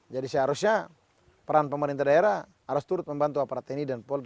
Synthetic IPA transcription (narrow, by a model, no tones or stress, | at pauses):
d͡ʒadisɛɦaɾusɲa | pɛɾanpəmaɾint̪adaɛɾa | aɾust̪uɾʊt̪̚mɛmbant̪uapaɾat̪ɛnidanpɔl